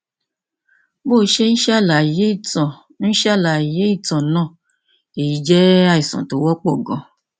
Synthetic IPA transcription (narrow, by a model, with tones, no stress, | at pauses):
bo˦˨˦ʃe˦n̩˦ʃa˦˨la˨i˨je˨˦i˦˨tã˨ | n̩˦ʃa˦˨la˨i˨je˦i˦˨tã˨˦nã˦˨ | e˨ji˨˦d͡ʒɛ˦a˦i˨sã̰˨to˨˦wɔ˦k͡pɔ˦˨ɡɔ̃˧˨